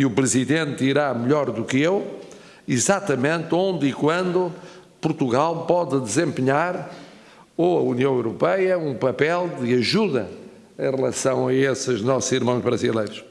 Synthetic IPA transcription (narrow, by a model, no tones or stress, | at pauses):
iupɾɨziðẽnt̪iɾamɨʎɔɾðukɨew | izat̪ɐmẽnt̪õnd̪ikwɐ̃nd̪u | puɾt̪uɣalˠpɔðɨd̪ɨzẽmpɨɲaɾ | oɐuniɐ̃w̃ewɾupɛjɐũpɐpɛlˠd̪ɨɐʒuðɐ̰ | ẽj̃ʁɨlˠɐsɐ̃w̃ɐesɨʒnɔsuziɾmɐ̃w̃ʒβɾɐzilˠejɾuʃ